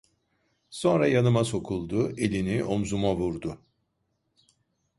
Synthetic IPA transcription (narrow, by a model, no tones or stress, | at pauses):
so̞nɾajanɯmaso̞kʰulˠd̪ʊe̞lʲiniʔo̞mzumavuɾd̪ʊ